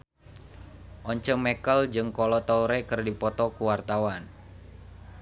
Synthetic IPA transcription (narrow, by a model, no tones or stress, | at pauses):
ʔɔɲt͡ʃəmɛkəld͡ʒɨŋkɔlɔt̪ɔuɾekɨrdipɔt̪ɔkuwart̪awan